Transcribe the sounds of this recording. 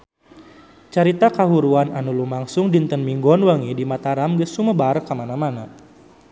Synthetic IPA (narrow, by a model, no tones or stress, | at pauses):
t͡ʃaɾit̪akaɦuɾuananulumaŋsʊŋdint̪ənmiŋɡɔnwəŋidimat̪aɾamɡəsuməbarkamanamana